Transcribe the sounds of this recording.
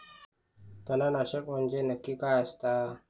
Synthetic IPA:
t̪ənanaɕəkmond͡ʑenəkːikaast̪a

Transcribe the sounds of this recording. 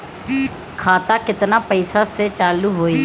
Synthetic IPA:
kʰaːt̪akɪt̪napəɪsaset͡ʃaːluɦoːi

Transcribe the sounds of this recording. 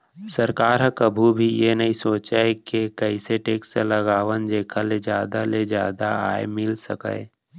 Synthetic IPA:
sɐɾkaːɾɦə̃kəbʱubʱijenɐɦĩsoːt͡ʃakekəiseʈeːkselɐɡaːʋənd͡ʒeːkʰaled͡ʒjaːd̪aled͡ʒjaːd̪aa̰ːemɪlsə̰kə̰e

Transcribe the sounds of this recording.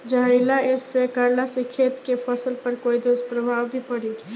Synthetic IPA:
d͡ʒəɦɪlaespekəɾlasekʰeːt̪kepʰəsəlpəɾkoːid̪ospɾəbʱaːwbʱipəɽi

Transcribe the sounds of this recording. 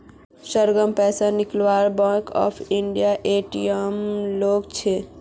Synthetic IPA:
səɾɡəmpɛsaniklʋaɾbãkɔ̰pʰiɳɖijaʔeʈijəmlokt͡ʃʰe

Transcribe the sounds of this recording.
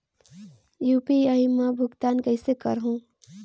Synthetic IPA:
juːpiaimə̃bʱʊɡt̪aːnkəɦɪsekə̰ɾɦũː

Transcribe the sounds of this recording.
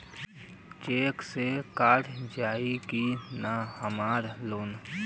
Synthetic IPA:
t͡ʃeːksekaːɾd͡ʒaːikinahəmaːɾloːn

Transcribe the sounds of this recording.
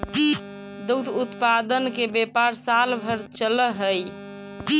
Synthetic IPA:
d̪ut̪ut̪pad̪ənkebepaɾsalbʱəɾt͡ʃələɦəj

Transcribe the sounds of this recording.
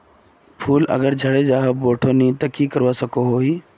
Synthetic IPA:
pʰuːlɐ̰ɡəɾd͡ʒʱɐɽed͡ʑaːɦəbboːʈʰonĩt̪ɐkikəɾʋasɐkʰoɦoːɦiː

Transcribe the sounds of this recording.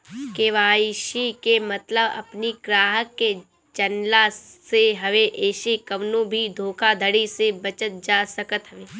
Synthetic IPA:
keːʋaːiʃikemɐt̪ləbɐ̰pniɡɾaːɦəkːe | t͡ʃɐnlaseɦɐʋeʔeːʃekɐʋnõbʱid̪ʱoːkʰad̪ʱəɽisebɐt͡ʃət̪̚d͡ʒaːsəkət̪ɦəʋeː

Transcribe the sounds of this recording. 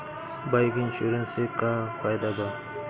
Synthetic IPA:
bajkinɕuɾensekafajd̪aba

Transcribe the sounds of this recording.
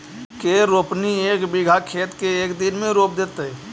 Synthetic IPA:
keɾoːpnieːkbɪɡʱakʰeːt̪keeːkd̪ɪnmẽɾoːp̚d̪eːt̪e

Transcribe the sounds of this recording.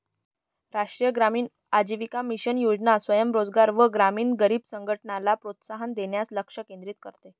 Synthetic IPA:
ɾaʂʈɾijəɡɾamiːn | ad͡ʑiʋikamiɕənjod͡ʑnasʋəjəmɾod͡zɡaɾʋəɡɾamiːnɡəɾiːbsəŋɡʱəʈɳalapɾot̪saɦənd̪eɳjasləkʂəkẽnd̪ɾiːt̪̚kəɾt̪e

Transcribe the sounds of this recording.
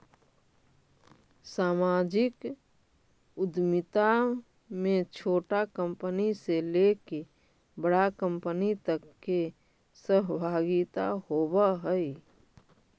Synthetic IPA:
saːmad͡ʒɪk | ʊd̪mit̪a | mẽt͡ʃʰoːʈakə̃mpəniseleke | bəɽakə̃mpənit̪əkːe | səɦbʱaɡit̪a̰hobəɦəi

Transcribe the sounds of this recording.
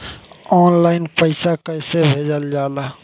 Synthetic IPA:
ɔːnlaːɪnpəɪsakəɪsebʱeːd͡ʒəld͡ʒaːlaː

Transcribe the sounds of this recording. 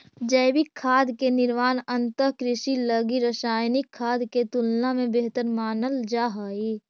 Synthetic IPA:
d͡ʒəːbikʰːaːd̪kenɪɾmaːnə̃nt̪əɦkɾɪʃiləɡiɾəsaːjnɪkʰːaːd̪ket̪ʊlnamẽbeɦt̪əɾmaːnəld͡ʒaːɦaːiː

